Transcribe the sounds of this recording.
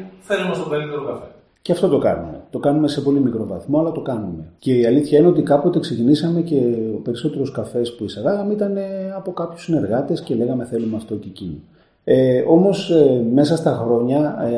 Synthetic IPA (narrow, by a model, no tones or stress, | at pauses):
θelumɐst̪oveɾit̪eɾokɐfe | ceɐft̪o̞t̪o̞kɐ̰nume̞̰t̪o̞kɐnume̞se̞po̞limikɾo̞vɐθmo̞ɐlɐt̪o̞kɐnume̞ce̞iɐliθçɐineo̞t̪ikɐpo̞t̪e̞ksecinisɐme̞ce̞ope̞ɾiso̞t̪e̞ɾoskɐfe̞spuisɐðɐɣɐmit̪ɐne̞ɐpo̞kɐpçusine̞ɾɣɐt̪e̞sce̞le̞ɣɐme̞θe̞lumeɐft̪ocecini | eo̞mo̞sme̞sɐst̪ɐxɾo̞ɲɐ